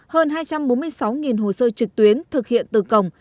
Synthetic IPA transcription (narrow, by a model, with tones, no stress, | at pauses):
həː˧nɦaː˧jt͡ɕa˧mɓo˨˦nmɨ˧əjsa˨˦wŋi˨˩nɦo˨˩səː˧t͡ɕɨ˨˩k̚t̪wi˨˦ənt̪ʰɨ˨˩k̚hḭ˧˨ənt̪ɨ˨˩kə˨˩wŋ͡m